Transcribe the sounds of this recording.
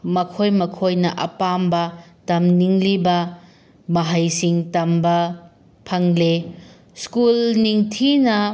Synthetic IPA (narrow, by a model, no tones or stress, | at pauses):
mɐkʰojmɐkʰojnɐʔɐpambɐtɐmniŋlibɐ | mɐɦajsiŋtɐmbɐ | pʰɐŋle | skulniŋtʰinɐ